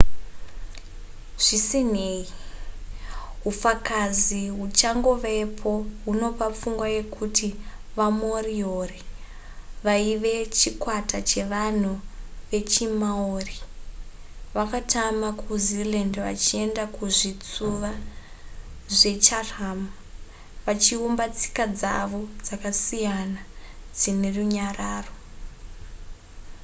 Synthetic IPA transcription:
ʐ̥isineːi | ɦufakaziɦut͡ʃaŋɡoʋepʰo̞ɦuno̞pap͡fuŋɡwaje̞kʰutiʋamo̞riori | ʋaiʋe̞t͡ʃikwatat͡ʃe̞ʋan̤uʋe̞t͡ʃimaoːri | ʋakatamakʰuzilandʋa̰t͡ʃie̞ndakuʐit͡suʋa | ʐe̞t͡ʃaraːm | ʋat͡ʃiumbat͡si̥kad͡za̰ʋo̞d͡zakasijanad͡zine̞ruɲaraːro̞

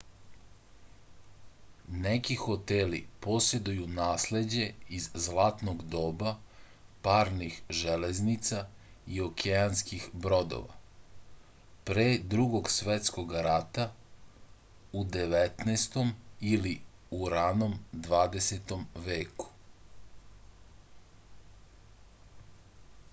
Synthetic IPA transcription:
nekixo̞t̪elḭpo̞sje̞d̪ujunaːsle̞d͡ʑe̞izzlˠaːt̪no̞ɡd̪o̞ːba | paːɾnixʒeleznit̪sa | io̞kʰeanskixbɾo̞d̪o̰ʋa̰ | pɾeːd̪ɾuɡo̞ɡsʋet̪sko̞ɡɾat̪a | ud̪eʋet̪neːst̪o̞miliuɾano̞md̪ʋaːd̪e̞set̪o̞mʋe̞ːku̥

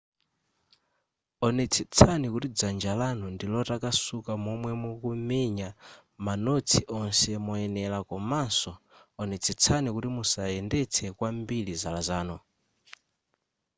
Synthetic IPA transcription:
ɔnɛt͡sʰɛt͡sʰanikutid͡zand͡ʒalanɔndilɔtakasukamɔmwɛmɔkumɛɲa | manot͡sʰiʔɔnsɛmɔɛnɛlakɔmansɔ | ɔnɛt͡sʰɛt͡sʰanikutimusaɛndɛt͡sʰɛkwambilizalazaːnɔ

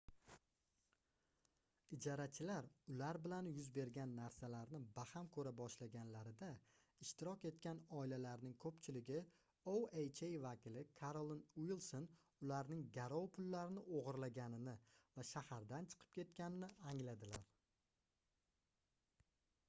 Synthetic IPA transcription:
ɪd͡ʒɒɾat͡ʃʰɪlaɾʊlaɾbɪlanjʊzbe̞ɾɡʲanːaɾsalaɾnɪbahamkʰɵɾabɒʃlaɡʲanlaɾɪd̪a | ɪʃt̪ɪɾɒkʲe̞t̪kʲanɒɪlalaɾnɪŋkʰɵpt͡ʃʰɪlɪɡʲɪ | owejt͡ʃejvakʲɪlɪkʰaɾolˠnwilˠson | ʊlaɾnɪŋɡʲaɾɒwpʰʊlːaɾɪnɪʔoʁɨɾlaɡʲanɪnɪvaʃahaɾd̪ant͡ʃʰɨ̥qʰɨ̥p̚kʲʰe̞t̪kʲanɪnɪaŋlad̪ɪla̰ɾ

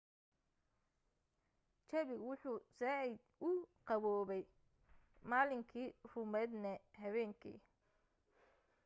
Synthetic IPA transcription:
t͡ʃɐβɪwʊħuːsɛ | ʊqɑβɔːβɛj | maːlɪŋkʰiːrʊmɛːd̪nɛhɐβɛːŋkʰḭː

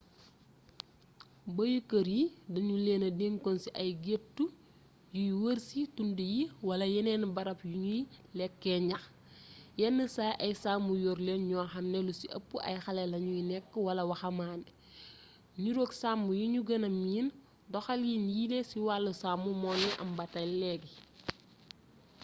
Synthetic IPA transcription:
bɐjukɐɾjidɐɲuleːnɐdeŋkɔnsiʔɐjɡetːu | jujuwəɾsitundujiwɐlɐjɛnɛnbɐɾɐpjuɲujilɛkːɛɲɐx | jɛnːəsaːʔɐjsaːmbujɔɾleːnɲɔːxɐmnelusiʔɐ̰pːuʔɐ̰jxɐlɛlɐɲujinɛkːəwɐlɐwɐxɐmaːni | ɲuɾoːksaːmːujuɲuɡɐnɐmiːn | dɔxɐljiːnjilesiwalːusaːmumɔnːiʔɐmbɐtɐjlɛːɡi

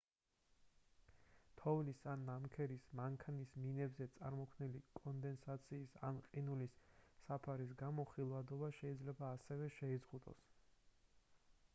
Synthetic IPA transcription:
t̪ʰɔvlisanːamkʰɛɾismaŋkʰanisminɛbzɛt̪sʼaɾmɔkʰvnilikʼɔnd̪ɛnsat̪sʰiːsa̰nqʼinulisːapʰaɾis̬ɡamɔχilˠvad̪ɔbaʃɛid̪zlɛbaːsɛvɛʃɛizʁud̪ʼɔ̰s

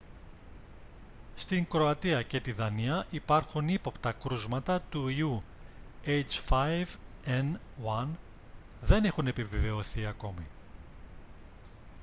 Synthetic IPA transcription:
st̪iŋkɾo̞ɐt̪iɐce̞t̪iðɐniɐʔipɐɾxunipo̞pt̪ɐkɾuzmɐt̪ɐt̪uiu | ejt͡sfɐjv | en | wɐn | ðe̞nexune̞piveve̞oθiɐko̞mi

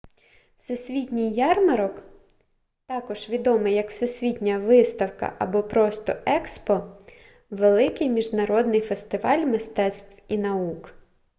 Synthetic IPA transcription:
sʲesʲʋʲitʲnʲijːɑrmɐɾɔk | t̪ɑkɔʒʋʲid̪ɔmɪjɐkw̥sɛsʲʋʲitʲnʲɐʋɪst̪ɐwkɐ̰ʔɐbɔpɾɔst̪ɔɛkspɔ | ʋelˠɪkɪjmʲiʒnɐɾɔd̪nɪjfest̪ɪʋɑlʲmɪst̪ɛt̪st̪ʋwinɐuk

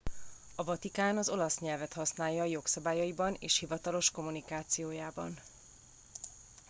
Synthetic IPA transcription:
ɒvɒt̪ikaːnɒzo̞lɒsɲɛlvɛt̪hɒsnaːjːɒːjo̞ksɒbaːjɒibɒnḛːʃhivɒt̪ɒlo̞ʃko̞munikaːt̪sijoːjaːbɒ̰n

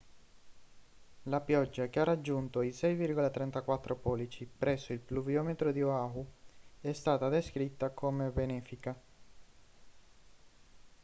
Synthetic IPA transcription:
lapjɔd͡ʒːakearːad͡ʒːunt̪oisɛjvirɡolat̪ɾɛnt̪akwat̪ːɾopɔːlit͡ʃipɾɛsːoilpluvjɔmet̪ɾod̪ioauɛst̪aːt̪ad̪eskɾit̪ːakʰomebenɛːfika

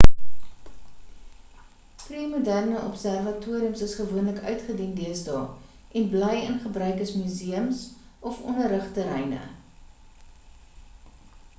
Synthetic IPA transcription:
priːmudærnəʔɔpsærvɐtuːəɾiəmsəsχəvuənləkœɥtχədindiəsdɑ̰ː | ʔɛnbləjənχəbrœɥkəsmyziəmsʔɔfɔnəɾəχtəɾɛ̰jnə̰

